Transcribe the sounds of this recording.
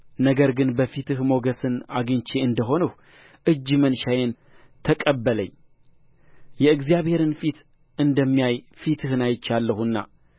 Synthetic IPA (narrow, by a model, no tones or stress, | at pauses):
nəɡəɾɡɨnbəfit̪ʰɨhmo̞ɡəsɨnaɡɨɲt͡ʃeɨnd̪əɦo̞nəh | ʔɨd͡ʒːmənʃajen | t̪ʰəkʼəbːələ̰ɲː | jɛɨɡzijaβhe̞ɾɨnfit̪ | ʔɨnd̪əmːijaj | fit̪ʰɨhɨnajɪt͡ʃːalːəhuɨnːa̰